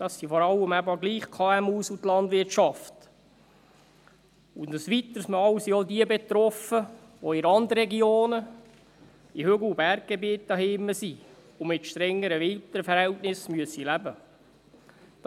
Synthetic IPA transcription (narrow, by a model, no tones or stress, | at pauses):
d̪̥ɑsːifɔɾɑlːəmæbɑɡliːχkʰɑːæmuːsutlɑndʋɪtʃɑft | ʊndəsʋit̪əsməɑwsiɔdiəbet̪ɾɔfə | ʋɔɪɾɑnd̪əɾɾɛɡioːnə | ihøɡl̩ubæɾk̚ɡ̥ebiət̚dɑɦɪːmːəsi | ʊmɪtʃtɾɛŋːəɾəʋɪlt̪əɾfəɾhɛltnɪsmyəsilæbə